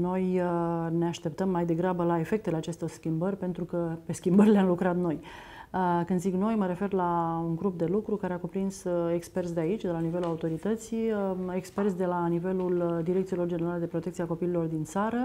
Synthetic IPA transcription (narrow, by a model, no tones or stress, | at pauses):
no̞jne̞aʃt̪e̞p̚t̪əmːajd̪e̞ɡɾabəlae̞fe̞k̚t̪e̞leat͡ʃe̞st̪o̞rskʲimbərʲpe̞nt̪ɾukəpe̞skʲimbərʲleamlukɾat̪no̞j | əkɨnd̪ziɡno̞jməɾe̞fe̞rlauŋɡɾup̚d̪e̞lukɾukaɾe̞akupɾinsekspe̞rt̪sʲd̪eait͡ʃʲd̪e̞lanive̞lulaut̪o̞ɾit̪ət̪sijəekspe̞rt̪sʲd̪e̞lanive̞luld̪iɾekt̪silo̞rd͡ʒe̞neɾale̞d̪e̞pɾo̞t̪e̞kt̪siako̞pililo̞rd̪int̪saɾə